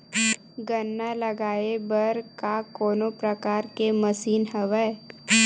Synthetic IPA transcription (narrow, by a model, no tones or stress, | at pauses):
ɡənːalɐɡaːebəɾkakoːnõpɾəkaːɾkeməsiːnɦəʋə